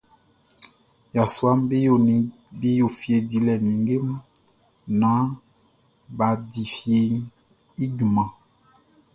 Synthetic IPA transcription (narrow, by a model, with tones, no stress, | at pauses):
ja˨swa˦m˦˨ | be˦jo˨fje˨di˨˦lɛ˨nĩ˨ŋɡe˦m˦ | nã˨˦ | ba˨di˨fje˨ | i˦ɟu˨mã˨